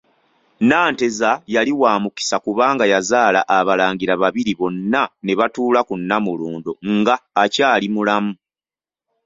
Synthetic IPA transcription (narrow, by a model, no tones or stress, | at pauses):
naːnte̞zajaliwaːmuki̥sakuβaːŋɡajazaːlaʔaβalaːɲɟiɾaβaβiɾiβo̞nːane̞βatuːlakunːamuluːndoŋɡaːcaːlimulamu